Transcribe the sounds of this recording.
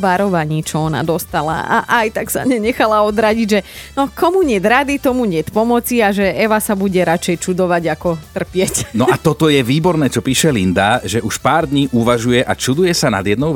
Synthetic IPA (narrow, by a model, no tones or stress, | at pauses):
ʋaɾɔʋaɲiːt͡ʃɔɔna̰d̪ɔst̪ala̰a̰ʔajt̪aksa̰mɲɛɲɛxalaɔd̪ɾaɟiɟʒɛnɔkɔmuɲɛd̪ɾad̪it̪ɔmuɲɪɛt̪pɔmɔt͡siaʒɛɛʋasabuɟɛɾat͡ʃɛjt͡ʃud̪ɔʋaɟakɔt̪r̩pɪɛcnɔʔat̪ɔt̪ɔjɛʋiːbɔɾnɛːt͡ʃɔpiːʃɛlind̪aʒɛʔuʃpaːɾd̪ɲiːʔuʋaʒujɛʔat͡ʃud̪ujɛsana̰d̪jɛd̪nɔʊ